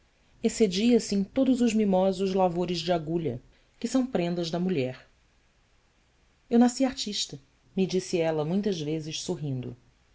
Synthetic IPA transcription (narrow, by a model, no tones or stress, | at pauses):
esed͡ʒiɐsɪẽj̃t̪od̪ʊzʊzmimɔzʊzlavoɾɪzd͡ʒɪaɡuʎɐ̰ | kɪsɐ̃w̃pɾẽnd̪ɐʒd̪ɐmuʎɛɾ | ewnasiaɾt͡ʃiʃt̪ɐ | mid͡ʒisɪɛlɐmũj̃t̪ɐzvezɪʃsoɦĩnd̪ʊ̰